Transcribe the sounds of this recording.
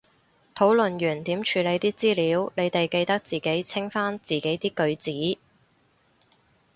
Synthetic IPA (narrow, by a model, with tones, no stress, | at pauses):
t̪ʰo˨˥wlɵ˨nɥyː˨˩nt̪iː˨˥mt͡ʃʰyː˨˧le˨˧jt̪iː˥t͡siː˥liː˨˥wne˨˧jt̪e˨jke˧jt̪ɐ˥k̚t͡siː˨ke˨˥jt͡sʰɪ˥ŋfaː˥nt͡siː˨ke˨˥jt̪iː˥kɵ˨˧ɥt͡siː˨˥